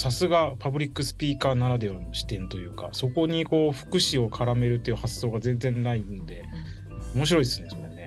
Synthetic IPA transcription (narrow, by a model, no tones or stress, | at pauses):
sasɨɡapabɯ̟ɾʲikːɯ̟sɨ̥pʲiːkaːnaɾad̪e̞oɕi̥t̪ẽ̞nt̪o̞jɯ̟ːka̰so̞ko̞ɲ̟iko̞ːɸɯ̟̥kɯ̟ɕio̞kʰaɾame̞ɾɯ̟t̪ːe̞jiɯ̟hasːo̞ːɡazẽ̞nzẽ̞nnaino̞d̪e̞ | omo̞ɕ̬iɾo̞isɨnd̪esmonːe̞